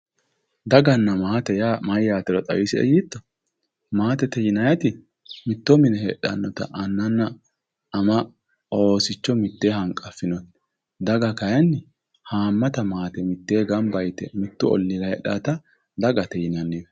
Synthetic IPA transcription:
d̪ɐɡɐnːɐmɐːt̪ɛjaːmɐjːaːt̪ɛɾɔt̪ʼɐ̰wiːsɪɛ̰jit̪ːɔ | maːt̪ɛt̪ɛjɪnɐjɐt̪ɪ | mɪt̪ːɔmɪnɛhɛ̰ɗɐ̰nːɔt̪ɐ̰ʔɐnːɐnːɐː | mɐ | o̞ːsɪt͡ʃːɔmɪt̪ːeːhɐŋkʼːɐfːɪnɔt̪ | d̪ɐɡɐkɐjɐnːɪ | haːmːɐt̪ɐmaːt̪ɛmɪt̪ːeːɡɐmbɐjt̪ɛmɪt̪ːʊɔ̰lːɪɾɐhɛ̰ɗaːt̪ɐ | d̪ɐɡɐt̪ɛjɪnɐnːɪjɔ

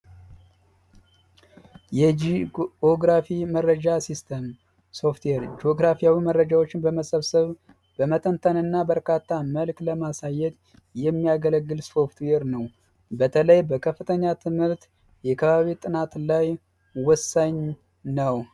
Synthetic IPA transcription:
jɛd͡ʒioɡɾafimərːəd͡ʒasist̪ʰəm | so̞ft̪weɾd͡ʒoɡɾafijawimərːəd͡ʒawo̞t͡ʃːɪnbəməsəβsəβ | bəmət̪ʼənt̪ʰənɨnːabəɾkʰat̪ʰːaməlkləmasajɛt̪ | jɛmːijaɡələɡːɨlso̞ft̪ʰweɾnəw | bət̪ʰələjbəkʰəfːɨt̪ʰəɲːat̪ʰɨmhɨɾt̪ | jɛkʰəβaβit̪ʼɨnat̪laj | wɔsaɲ | nəw

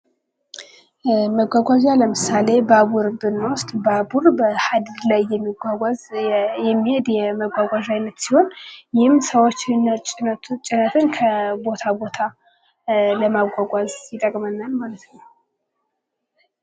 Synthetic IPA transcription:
məɡʷaɡʷaʒaləmɨsale̞babuɾbɨnːʊst̪ʼbabuɾbəhad̪ɨd̪lajːɛmːiɡʷaɡʷazjɛmːihed̪jɛməɡʷaɡʷaʒajnːət̪siho̞njɪhɨmsəwot͡ʃːɪɨnːət͡ʃʼt͡ʃʼɪnət̪ʰɨnkʰəbo̞t̪ʰabo̞t̪ʰa | ləmaɡʷaɡʷazjɪt̪ʼəkʼmənːalmalət̪nəw

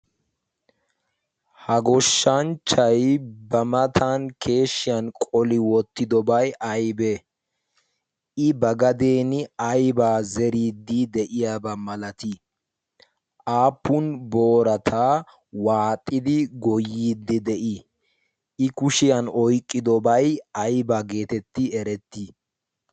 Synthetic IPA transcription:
hɐɡɔʃːɐnt͡ʃːɐjbɐmɐt̪ʰankʰe̞ːʃːɪjɐnkʼɔlɪwɔt̪ːɪd̪ɔbɐjʔɐjbɛ | ʔɪbɐɡɐd̪eːnɪɐjbaːzɛɾiːd̪ːid̪ɛʔɪjaːbɐmɐlɐt̪ɪ | ʔaːpːʊnboːɾɐt̪ʰaː | waːt̪ʼːɪd̪ɪɡɔjːiːd̪ːɪd̪ɛʔɪ | ʔɪkʊʃɪjɐnɔjkʼːɪd̪ɔbɐjɐjbaɡe̞ːt̪ɛt̪ːɪɛɾɛt̪ːɪ

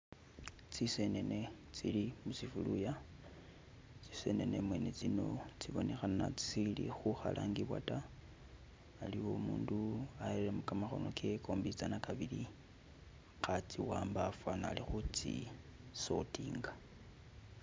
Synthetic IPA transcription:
t͡sise̞ne̞ne̞ | t͡silimusifuluja | t͡si̥se̞̰ne̞nemwe̞ne̞t͡sino̞t͡siβo̞nexana̰t͡si̥silḭxuxa̰lʔaŋɡiβwa̰ta | liwo̞muːnduaeelemukamaxo̞̰no̞kʰekʰo̞ːmbit͡sanakaβili | xat͡siwaːmbafwanalixut͡sḭ | so̞̰tiːŋɡa

